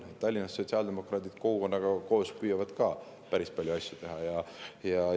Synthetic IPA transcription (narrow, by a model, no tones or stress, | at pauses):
ett̪ːɑlʲːinɑsːo̞t̪ʲsʲiɑld̪̥e̞mo̞krɑːt̪id̪̥ko̞kuko̞nːɑɡ̥ɑko̞ːspyːjɑvɑd̪̥kɑ | pæɾispɑljuɑsʲjut̪e̞ɦɑjɑjɑ